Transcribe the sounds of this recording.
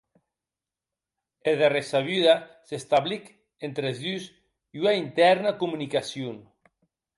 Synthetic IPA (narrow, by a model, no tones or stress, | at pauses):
eðeresaβjyðasest̪aβlik | ent̪ɾezðys | iunaint̪ɛɾnakumunikasjun